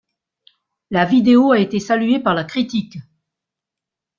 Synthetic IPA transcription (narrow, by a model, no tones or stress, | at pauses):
lavid̪eoaet̪esalyɥepaʁlakχit̪ik